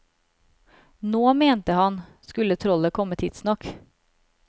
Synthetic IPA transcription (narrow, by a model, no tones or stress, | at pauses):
noːmeːnt̪əhɑnskʉlːət̪ʰɾɔləkʰɔmːət̪ʰɪd̪̥snɑk